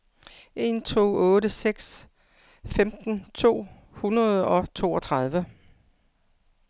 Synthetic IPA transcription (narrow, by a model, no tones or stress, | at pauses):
ʔe̝nt͡sʰo̝̰ːɔ̽ːɾəseɡ̥s | femd̥n̩t͡sʰo̝̰ː | hunɐð̞ˠɒ̽t͡sʰo̝̰ːɒ̽t͡sʰʁɑð̞ˠʋə